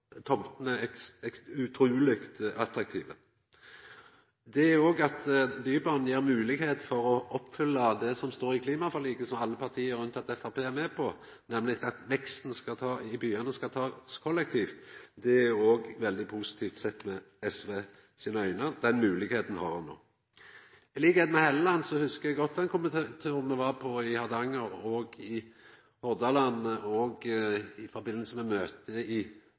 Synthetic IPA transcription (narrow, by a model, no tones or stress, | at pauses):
t̪ʰɔmt̪n̩æɛsɛʉt̪ʰɾʉːlɪkt̪ɑt̪ɾɑk̚t̪ʰiːʋə | d̪ɛæoːɡɑt̪byːbɑːnn̩jeːɾmʉːlɪɡheːt̪fɔɾɔʔɔpːfʏlːəd̪ɛsɔmst̪oːɾɪkʰliːmɑfɔʁliːɡəsɔmɑlːəpʰɑʁt̪ʰiːəɾʉnt̪ɑt̪ɛfɑʁpeːæɾmɛpʰɔ | nɛmlɪtɑt̪ʋɛkst̪n̩skɑt̪ʰɑːɪbyːɑnəskɑt̪ʰɑːskʰɔlːɛk̚t̪ʰiːft̪d̪ɛæoːɡʋɛld̪ɪpʰusɪ̥t̪ʰiːft̪sɛt̪ːmɛ | ɛsʋeː | siːnəœʏnəd̪ɛnmʉːlɪɡheːt̪n̩hɑʁɑnːo̰ː | liːɡɛd̪mɛhɛləlɑnsɔhʉskəjæɡɔt̪ːɛnkʊmənt̪ʰt̪ʰøːʁməʋɑʁpʰɔɪhɑd̪ɑŋːəɾɔɡɪ | hɔd̪ɑlɑnəɔɡɪfɔɾbɪnəl̩səmɛmøːt̪ʰəɪ